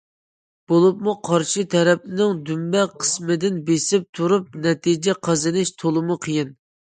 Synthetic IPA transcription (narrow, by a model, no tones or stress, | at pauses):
b̥olˠupmuqʰɑɾʃɨt̪ʰɛɾɛp̚nɪŋd̪ymbɛqʰə̥smɨd̪ɪnbesɪp̚t̪ʰuɾup̚nɛt̪ʰid͡ʒɛqʰɑzɨnɪʃt̪ʰolˠɨmuqʰəjɪn